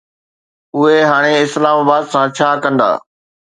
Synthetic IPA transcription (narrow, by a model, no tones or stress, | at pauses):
ʊɦeɦaːɽ̃eɪslaːmaːbaːd̪sãt͡ɕʰaːkɐ̃nd̪a̰ː